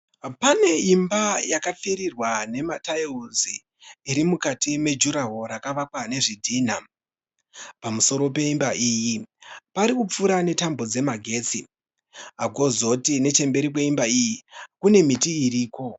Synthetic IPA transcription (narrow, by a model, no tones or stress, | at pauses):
pane̞imbajakap͡fiɾirwane̞mataiuziː | ɾimukatime̞d͡ʒuɾaɦo̞ɾakaʋakwane̞ʐidʱiːn̤a | pamuso̞ɾo̞pe̞imbaʔiːjipaɾikup͡fuɾane̞tambo̞d͡ze̞maɡʱe̞t͡si | aɡʱo̞zo̞tine̞t͡ʃe̞mbe̞ɾik̬we̞imbaijikune̞mitiːɾiːko̞